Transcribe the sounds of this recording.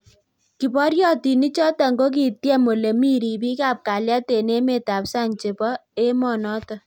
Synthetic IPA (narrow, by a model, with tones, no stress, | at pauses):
ki˨pɔ˦ɾjɔ˦ti˨ni˦t͡ʃɔ˦ta˨ŋɡo˦k̬i˨tjɛ˦mo˨le˨mi˦ɾi˨pi˦ka˦˨p̚ka˨lja˦te˨ne˦me˨ta˨psa˦ŋt͡ʃe˨pɔ˦e˦mɔ˨nɔ˦tɔ˨